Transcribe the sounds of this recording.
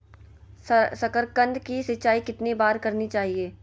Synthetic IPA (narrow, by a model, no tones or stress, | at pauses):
sɐkəɾkə̃nd̪kisɪt͡ʃaːikɪt̪nebaːɾkɐɾnit͡ʃaːɦieː